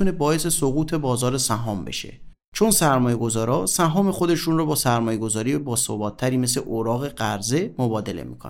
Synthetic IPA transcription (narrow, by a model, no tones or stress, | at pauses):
une̞bɒːjesesoɣuːt̪ʰe̞bɒːzɒːɾesæɦɒːmbe̞̰ʃḛ | t͡ʃʰo̞nsæɾmɒːjeɡozɒːɾɒːsæɦɒːme̞xo̞d̪e̞ʃunrɔbɒːsæɾmɒːje̞ɡo̞zɒːɾiːjebɒːso̰bɒːt̪ʰːæɾiːme̞s̬leʔoɾɒːɣe̞ɢæɾze̞mobɒːd̪e̞lḛmḭːkʰo̰n